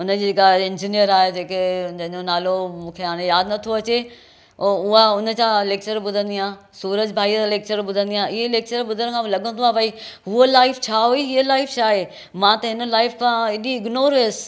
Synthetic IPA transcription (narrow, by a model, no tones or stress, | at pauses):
ʊnəd͡ʑiːd͡ʑeːkaɪ̃nd͡ʑinijəɾaːɦed͡ʑeːked͡ʑɐ̃ɦɪ̃ɲd͡ʑonaːlomũːkʰeaːɽ̃ejaːd̪nɐt̪ʰioɐt͡ɕe | oːʊɦaʊnə̆t͡ɕaleːk̚t͡ɕəɾɓʊd̪ʱə̃nd̪iãː | suːɾəd͡ʑbʱaːileːk̚t͡ɕəɾɓʊd̪ʱə̃nd̪ijãːɪɦeleːk̚t͡ɕəɾɓʊd̪ʱəɾkʰãːlɐɠʱə̃nd̪oãːbɐiɦʊəlaːɪft͡ɕʰaːɦuiɦiɦelaːɪfʰt͡ɕʰaːɦe | mãt̪ɐɦɪnə̆laːɪfkʰãɪɗiɪɡnoːɾs